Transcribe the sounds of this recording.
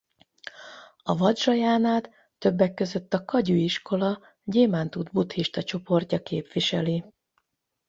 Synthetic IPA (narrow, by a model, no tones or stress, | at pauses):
ɒvɒd̪rɒjaːnaːt̪ː | ø̞bːɛkːø̞zø̞t̪ːɒkɒɟyiʃko̞lɒ | ɟeːmaːnt̪ud̪but̪hiʃt̪ɒt͡ʃo̞po̞rcɒkeːpʋiʃɛli